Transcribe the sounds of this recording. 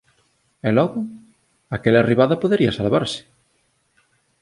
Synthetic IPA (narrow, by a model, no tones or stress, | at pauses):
ɛlɔɣʊ | akelariβaðɐpoðeɾiɐsalβaɾsɪ̥